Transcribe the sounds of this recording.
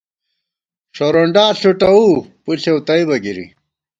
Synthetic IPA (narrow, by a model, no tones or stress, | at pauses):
ɕoɾoɳɖaːɬuʈɐupuɬewt̪ɐibɐɡiɾḭ